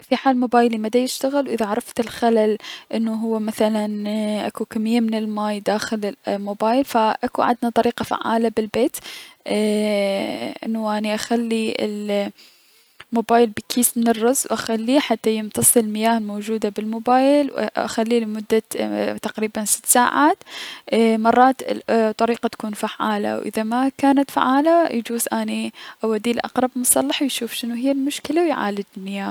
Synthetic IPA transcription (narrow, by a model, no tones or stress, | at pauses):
fiħaːlmoːbaːjlimad̪ajɪʃt̪aɣɪlwʔɪðaʕɑɾˤɑft̪ɪlxalalʔɪnːuɦʊwːamaθalanʔa̰kukamːɪjːamɪnɪlmaːjd̪aːxɪlɪmoːbaːjlfaʔakuʕɪ̰d̪nat̪ˤɑɾiːqɑfa̰ʕːa̰ːlabɪlbeːt̪ | ʔɪ̰nːuʔaniʔaxalːiɪ̰l | moːbaːjɪlbɪkʰiːsmɪnɪrːʊzwʔaxalːiħat̪ːajɪmt̪ɑsˤɨɪlmɪjaːhɪlmowd͡ʒuːd̪abɪlmoːbaːjlwʔa̰xalːilɪmʊd̪ːat̪aqɾiːbansɪ̥t̪ːsaːʕaːt̪ː | mɑrˤːɑːt̪t̪ˤːɑɾiːqat̪ḁkuːnfaʕːaːla̰wʔɪ̰ðamakaːnat̪fa̰ʕaːlajd͡ʒuːzʔaniʔawad̪iːlʔɑ̰qɾˤɑbmʊsˤɑ̰lːɑħwjʃuːfʃɪnuɦɪjːalmʊʃkɪlawjʕa̰ːlɪd͡ʒɪlmɪjaːh